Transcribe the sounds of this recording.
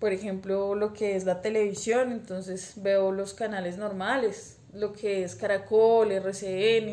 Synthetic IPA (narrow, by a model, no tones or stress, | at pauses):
po̞ɾexe̞mplolo̞keezlat̪e̞le̞βisjo̞ne̞nt̪o̞nse̞sbeolo̞skanalezno̞ɾmale̞s | lo̞kʰeeskaɾakolereseene